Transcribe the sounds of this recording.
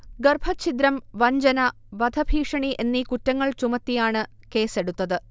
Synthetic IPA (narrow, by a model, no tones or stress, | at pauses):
ɡɐrbʱɐt͡ɕʰit̪ɾɐmʋɐɲd͡ʑɐnɐ | ʋɐd̪ʱɐbʱiːʂɐɳiʔe̞nːikutːɐŋːɐɭt͡ɕumɐt̪ːijaːɳɨ | ke̞ːse̞ɽut̪ːɐðɨ